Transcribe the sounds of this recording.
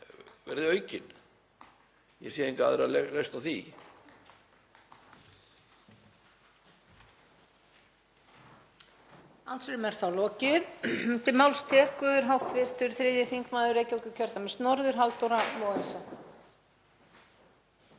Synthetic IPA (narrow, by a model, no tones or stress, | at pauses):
vɛ̰ɾðɪœːɥcɪn | jɛ̰sɛðeŋka̰ðɪɾalelest̪awθi | ansʏɾʏmɛɾ̥θawlɔːcɪðt̪ʰɪmawlst̪ʰɛːkʏðʏɾɦawht̪vɪr̥t̪ʏɾθɾɪːðjɪθiŋkmaːðʏɾejcɪɔwkʏcʰœɾt̪amɛst̪nɔɾðʏɾ̥ɦalt̪owɾamɔɣaɛsa